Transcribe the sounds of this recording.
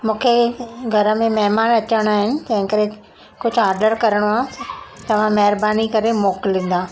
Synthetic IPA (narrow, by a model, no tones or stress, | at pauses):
mũːkʰeɡʱɐɾə̆mẽmɐɦɪmaːnɐt͡ɕəɽ̃aːɦɪnɪ̆t̪ɐ̃ɦɪ̃kɐɾẽ | kʊd͡ʑʱʊaːɾɖəɾkɐɾəɽ̃oaːt̪ɐʋ̤ãmɐɦɾbaːnikɐɾemoːkɪlĩːn̆d̪aː